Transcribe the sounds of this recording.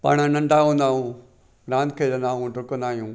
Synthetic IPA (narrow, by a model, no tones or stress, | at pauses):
pa̰ːɽ̃ənɐ̃ɳɖaːɦũːnd̪aːɦũː | ɾãːnkʰeːɾɐ̃nd̪aːɦũɖʱʊkə̃nd̪aːɦijũː